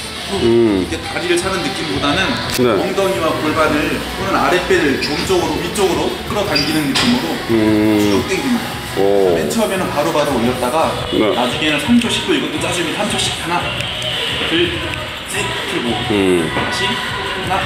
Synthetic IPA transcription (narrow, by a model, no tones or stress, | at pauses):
oikʰetaɾiɾɯɭt͡ɕʰanɯnːɯk͈imbodanɯnnewʌŋdʌŋiwakuɭbanɯɭsonɯnaɾe̞p͈eɾɯɭt͡ɕoŋd͡ʑʌɡɯɾomit͡ɕ͈ʌɡɯɾok͈ɯɾʌtaŋɡinɯnːɯk͈imɯɾo | t͡ɕuok̚t͈eŋiimida | et͡ɕʰʌmjʌnɯnpaɾobaɾoːɲjʌt̚t͈aɡa | nenad͡ʑuŋenɯnsʰamd͡ʑʰoɕ͈ik̚t͈oiɡʌt͈ot͡ɕ͈ad͡ʑuminsʰamd͡ʑʰoɕ͈i̥k̚tʰana | tɯɭ | t͡ɕ͈i | kʰiɡo | aɕʰi | na